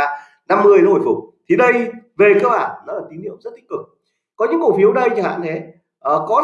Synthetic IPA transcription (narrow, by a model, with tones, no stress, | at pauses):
na˧mːɨ˧əjnɔ˨˦o˧˩jfʊ˨˩k͡p̚t̪ʰi˨˩ɗə˧jve˨˩kəː˧whaː˧˩nːɔ˨˦lːəː˨˩t̪i˨˦nhi˧˨əwmzə˦˥t̚t̪ï˦˥ŋ̟kɨ˨˩k̚ | kɔ˨˦ɲɨ̰˧˥ŋkfi˨˦əwɗə˧jt͡ɕə˧˩ha̰ː˧˨nt̪ʰe˨˦ | ʔəː˨˩kɔ˨˦